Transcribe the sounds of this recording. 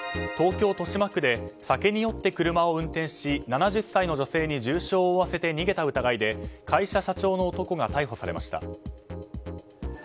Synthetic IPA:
t̪o̞ːkʲo̞ːt̪o̞ɕimakɯ̟d̪e̞sake̞ɲ̟ijo̞t̪ːe̞kɯ̟ɾɯ̟mao̞ɯ̟̃nt̪ẽ̞ɰ̃ɕinanaʑɨsːaino̞ʑo̞se̞ːɲ̟iʑɨːɕo̞ːβase̞t̪e̞ɲ̟iɡe̞t̪aɯ̟t̪aɡaid̪e̞kʰaiɕaɕat͡ɕo̞ːno̞ːt̪o̞ko̞ɡat̪aiɦo̞saɾe̞̰mʔa̰ɕi̥t̪a̰

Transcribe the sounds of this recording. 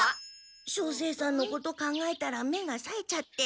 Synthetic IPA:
a | ɕo̞ːs̬e̞ːsãnːo̞ko̞t̪o̞kãŋɡae̞t̪aɾame̞ɡasaet͡ɕat̪ːe̞

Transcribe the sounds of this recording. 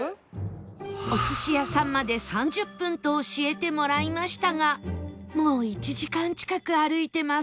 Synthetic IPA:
o̞sɨɕijasãmːad̪e̞sãɲ̟d͡ʑɨpːɯ̟̃nt̪o̞ːɕie̞t̪e̞mo̞ɾaimaɕi̥t̪aŋamo̞ːit͡ɕiʑikãɲ̟t͡ɕi̥kakɯ̟aɾɯ̟it̪e̞ma

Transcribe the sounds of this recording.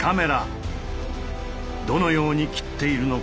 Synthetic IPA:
kʰame̞ɾa | d̪o̞no̞jo̞ːɲ̟ikʲi̥t̪ːe̞iɾɯ̟no̞

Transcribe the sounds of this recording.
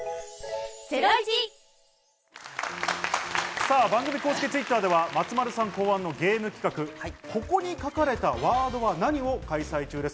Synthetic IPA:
saːbãŋɡɯ̟mʲiko̞ːsɨ̥kʲet͡sɨit̪ːaːd̪e̞βamat͡sɨmaɾɯ̟sãŋko̞ːãnːo̞ɡʲe̞ːmɯ̟kʲi̥kakɯ̟ko̞ko̞ɲ̟ikakaɾe̞t̪aβaːd̪o̞βanaɲ̟io̞kaisait͡ɕɨːd̪e̞sɨ̥

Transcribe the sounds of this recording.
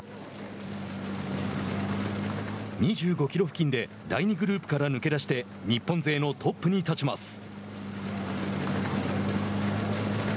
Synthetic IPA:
ɲ̟iʑɨːɡo̞kʲiɾo̞ɸɯ̟kʲĩnd̪e̞ | d̪aiɲ̟iɡɯ̟ɾɯːpɯ̟̥kaɾanɯ̟ke̞d̪aɕi̥t̪e̞ | ɲipːõ̞nze̞ːno̞t̪ʰo̞pːɯ̟ɲ̟it̪at͡ɕimasɨ̥

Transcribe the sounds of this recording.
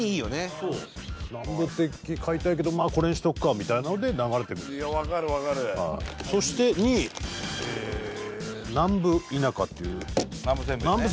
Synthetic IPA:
iiːjo̞nesoːnãmbɯ̟t̪ːe̞kʲːikʰait̪aik̬e̞d̪o̞maːko̞ɾẽɕi̥t̪o̞kɯ̟̥kːamʲit̪ainano̞d̪e̞naɣaɾe̞t̪e̞kɯɾjaβakaɾɯ̟βakaɾɯha̰iso̞ɕi̥t̪e̞ɲ̟i | e | nãmbɯ̟inaka̰t̪ːe̞ɯ̰nãmbɯsẽmbnãmbɯ

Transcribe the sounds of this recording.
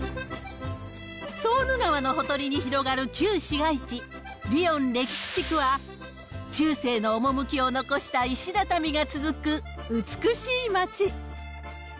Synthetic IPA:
so̞ːnɯɡaβano̞ɦo̞t̪o̞ɾʲiɲ̟içiɾo̞ɡaɾɯ̟kʲɨːɕiɡait͡ɕi | ɾʲiõ̞nɾe̞kʲi̥ɕi̥t͡ɕikɯ̟βa | t͡ɕɨːse̞ːno̞ːmo̞mɯ̟kʲio̞no̞ko̞ɕi̥t̪aiɕid̪at̪amʲiɡat͡sɨzɨkɯ̟ | ɯt͡sɨ̥kɯ̟ɕiːmat͡ɕi

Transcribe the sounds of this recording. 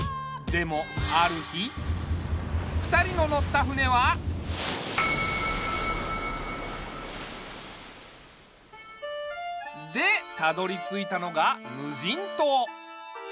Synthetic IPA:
d̪e̞mo̞aɾɯ̟çi | ɸɯ̟̥t̪aɾʲino̞no̞t̪ːaɸɯ̟ne̞βa | d̪e̞t̪ad̪o̞ɾʲit͡sɨit̪ano̞ɡamɯ̟ʑĩnt̪oː

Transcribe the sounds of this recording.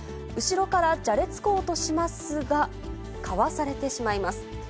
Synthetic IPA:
ɯ̟ɕiɾo̞kaɾad͡ʑaɾe̞t͡sɨ̥ko̞ːt̪o̞ɕimasɨɡa | kʰaβasaɾe̞t̪e̞ɕimaimasɨ̥

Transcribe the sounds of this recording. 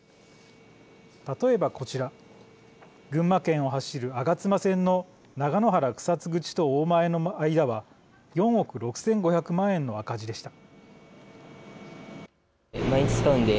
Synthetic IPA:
t̪at̪o̞e̞bako̞t͡ɕiɾa | ɡɯ̟̃mːakẽ̞ɰ̃o̞ɦaɕiɾɯ̟aɡat͡sɨmasẽ̞nːo̞ | naɡano̞ɦaɾakɯ̟̥sat͡sɨɡɯ̟t͡ɕi̥t̪o̞oːmae̞no̞aid̪aβa | jõ̞ɰ̃o̞kɯ̟ɾo̞kɯ̟̥sẽ̞ŋɡo̞çakɯ̟mãɰ̃ẽ̞nːo̞akaʑid̪e̞ɕi̥t̪ḁ | maĩsk̪aɯ̃nd̪e

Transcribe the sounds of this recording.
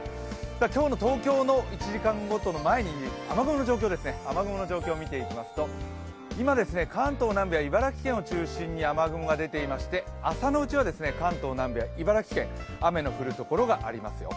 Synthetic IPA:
sakʲo̞ːno̞t̪o̞ːkʲo̞ːno̞it͡ɕiʑikãŋɡo̞t̪o̞no̞mae̞ɲ̟iamaɡɯ̟mono̞d͡ʑo̞ːkʲoːd̪e̞sɨne̞amaɡɯ̟mo̞nod͡ʑo̞ːkʲo̞ːmʲit̪e̞ikʲimasɨ̥t̪o̞ | imad̪e̞sɨne̞kãnt̪o̞ːnãmbʲejaibaɾakʲi̥kẽ̞ɰ̃ot͡ɕɨːɕĩɲ̟ːiamaɡɯ̟moɡad̪e̞t̪e̞imaɕi̥t̪e̞asano̞ɯ̟t͡ɕiβ̞ad̪e̞sɨne̞kãnt̪o̞ːnãmbejaibaɾakʲi̥kẽ̞ŋ̃ame̞no̞ɸɯ̟ɾɯ̟t̪o̞ko̞ɾo̞ɡaʔa̰ɾʲimasɨjo̰

